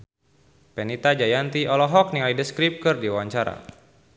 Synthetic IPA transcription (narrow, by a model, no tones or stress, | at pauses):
pɛnit̪ad͡ʒajant̪iʔɔlɔɦɔk̚niŋlaidəskɾip̚kɨrdiawaɲt͡ʃaɾa̰